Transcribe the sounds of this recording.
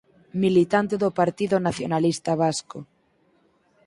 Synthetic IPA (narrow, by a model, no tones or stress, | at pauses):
milit̪ant̪eðopaɾt̪iðonaθjonalist̪aβasko